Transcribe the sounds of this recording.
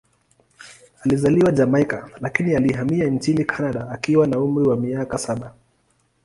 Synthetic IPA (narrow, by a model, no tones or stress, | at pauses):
alizaliwad͡ʒamaikalakinialiɦamiant͡ʃinikʰanaɗaːkiwanaum̩ɾiwamiakasaɓa